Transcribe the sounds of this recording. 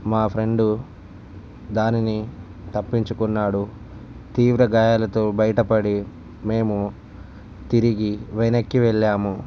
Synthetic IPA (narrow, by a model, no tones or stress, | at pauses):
maːpʰɾe̞ɳɖu | d̪aːnini | t̪ɐpːiɲt͡ʃukunːaːɽu | t̪iːʋɾɐɡaːjaːlɐt̪oːbɐjɐʈɐpɐɽi | me̞ːmu | t̪iɾiɡiʋenɐkːiʋɛɭːaːmu